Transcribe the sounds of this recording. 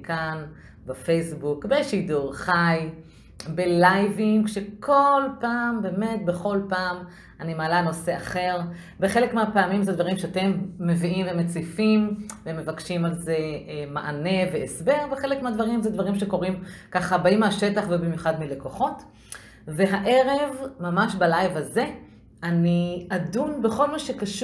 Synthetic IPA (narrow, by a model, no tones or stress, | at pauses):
kan | bafe̞jsbukbeʃiduʁχaj | belajviŋɡʃekʰo̞lpaːmbe̞ːme̞t̚be̞χo̞lpaːm | animaːlano̞se̞aχe̞ʁ | beχe̞lekmeapaamimzed̪vaʁimʃeate̞mːe̞viʔimvemet͡sifimveme̞vakʃimalzema̰ʔane̞veesbe̞ʁbeχe̞lekmeadvaʁimzedvaʁimʃe̞ko̞ʁimkaχabaimaʃe̞taχvebimjuχadmile̞ko̞χo̞t | ve̞ɦaʔe̞ʁe̞vmamaʃbalajvhaze̞ | aniadumbe̞χo̞lmaʃekaʃ